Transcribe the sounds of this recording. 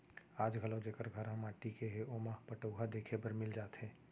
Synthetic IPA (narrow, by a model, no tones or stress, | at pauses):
aːd͡ʒɡʱəlõd͡ʒeːkəɾɡʱəɾɦɐmaːʈikeɦeʔoːmapəʈoːɦad̪eːkʰepəɾmɪld͡ʒaːt̪ɦɛ̃ː